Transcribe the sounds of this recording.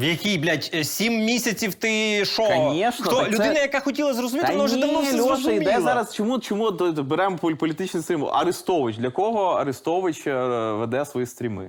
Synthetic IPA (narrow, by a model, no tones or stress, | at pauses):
ʋjɐkʲijblʲatʲsʲimːʲisʲɐt͡sʲiwt̪ɪʃɔkɐnʲiʃnɐt̪ɔlʲʊɪnɐjɐkaxɔtʲilˠɐzrɔzʊmʲitɪnɔʒɛɐmɔlʲɪd̪ɛzɑɾɐst͡ʃɔmut͡ʃɔmut̪beɾɛmɔpɔpɔlʲit̪ɪt͡ʃnɪsʲimʊ̰lˠɐ̰ɾɪst̪ɔʋɪt͡ʃʲd̪lʲɐkɔɦɔɐ̰ɾɪst̪ɔʋɪt͡ʃʲʋed̪ɛsʋɔjist̪ɾʲimɪ̰